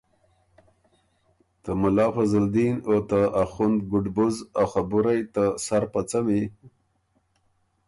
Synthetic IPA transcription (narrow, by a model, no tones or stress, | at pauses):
t̪əmʊlɑːfazəld̪inot̪əaxʊnd̪̚ɡʊɖbʊzaxabʊɾajt̪əsaɾpat͡sami